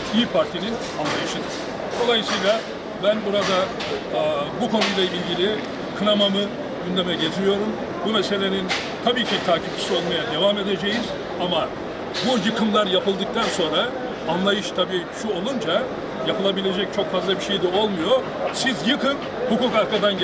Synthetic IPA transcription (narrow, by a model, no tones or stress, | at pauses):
iːpʰaɾt̪ʰinin | anlˠajɯʃɯnd̪ɯ | d̪o̞lˠajɯsijlʲˠa | bænbuɾad̪a | bukʰonujlˠailʲɟilʲi | kʰɯnamamɯ | ɟynd̪e̞mɛɟɛzmijo̞ɾum | bumese̞lʲe̞nin | t̪ʰabiːcʰit̪ʰaːcʰip̚t͡ʃʰi̥sio̞lˠmajad̪e̞vame̞d̪e̞d͡ʒejiz | ama | bujɯkʰɯmlˠaɾjapɯlˠd̪ɯk̚t̪ʰanso̞nɾaː | nlˠajɯʃt̪ʰabiːʃuo̞lˠund͡ʒa | japɯlˠabilʲe̞d͡ʒɛc̚t͡ʃʰo̞kfazlˠabiʃejd̪ɛo̞lˠmujo̞ | sizjɯkʰɯn | hukuːkaɾkad̪an